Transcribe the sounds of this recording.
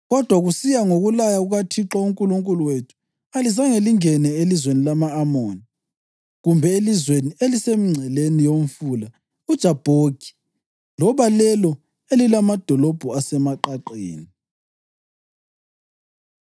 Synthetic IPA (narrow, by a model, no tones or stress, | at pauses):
ɣɔd̥ʱwaɣusijaŋoɣulajaɣuɣatʰiǁauŋkʼuluŋkʼuluwetʰu̥ | alizaŋeliŋɛnɛelizwenilamaːmoːni | ɣumbʱɛelizwenielisemiŋ͡ǀʱɛlenijom̩fuːla | ud̥ʒ̥ʱab̥ʱoɡ̥ʱi̥ | lɔβalɛlɔ | elilamad̥ʱɔlɔb̥ʱuasɛmaǃaǃḛːni